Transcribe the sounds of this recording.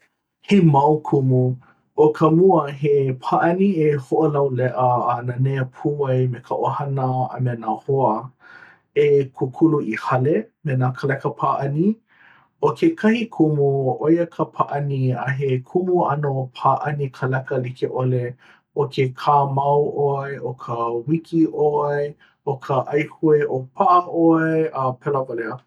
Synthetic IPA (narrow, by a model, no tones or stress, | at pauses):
hemɐwkʰumu | ʔokʰəmuəɦepʰaːʔɐniehoʔolɐwlɛʔəːnanejəpʰuɐjmekʰəʔohɐnəɐ̰menaːhoə | ekʰukʰuluʔihɐlemenaːkʰəlɛkəpʰaːʔɐni | okʰekʰɐhikʰumuojəkʰəpʰaʔɐniɐ̰ɦekʰumuɐ̰nopʰaːʔɐnikʰəlɛkəlikʰeʔole | okʰekʰaːmɐwʔoɐjʔokʰəwikʰiʔoɐj | okʰəʔɐjhueʔopʰaʔəʔoɐjɐpʰɛləvaleə